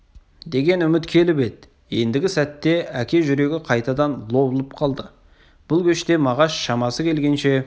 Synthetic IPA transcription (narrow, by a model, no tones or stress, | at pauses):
d̪e̞ɡʲe̞nʏmɪt̪kʲʰe̞lɪpe̞d̪̚ɪ | je̞nd̪ɪɡʲɪsæt̪ːe̞ækʲe̞ʒʏɾe̞ɡʲɪqʰɑjt̪ɑd̪ɑnlˠo̞blˠəp̚qʰɑlˠd̪ə | b̥ʊlˠkʲʰɵʃt̪e̞mɑʁɑsʃɑmɑsəkʲʰe̞lɡʲe̞nʃe̞